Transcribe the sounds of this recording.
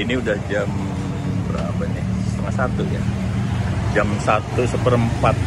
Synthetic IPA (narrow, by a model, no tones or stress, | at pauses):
iniudahd͡ʒam | bəɾabaɲasəst̪əŋat̪sat̪uja | d͡ʒamsat̪usəpəɾəmpat̪̚